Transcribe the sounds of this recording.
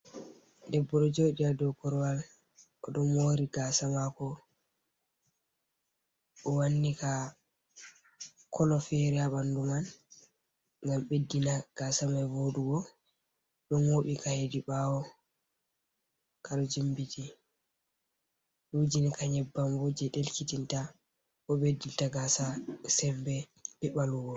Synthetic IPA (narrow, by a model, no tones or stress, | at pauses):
dɛbːɔɗɔd͡ʒoːɗiadɔkɔɾwal | ʔɔɗɔmoɾiɡasamakɔ | ɓɔwanːika | kɔlɔfɛɾɛaɓanduman | ŋɡamɓedːinaɡ̥asamavoɗuɡɔ | ɗɔnwoɓikahediɓawɔ | kaɗɔd͡ʒimbiti | ɗud͡ʒinikaɲɛbːamwod͡ʒɛɗelkitinta | ʔɔɓedːintaɡasasɛmbɛ | b̥ɛɓaluɡɔ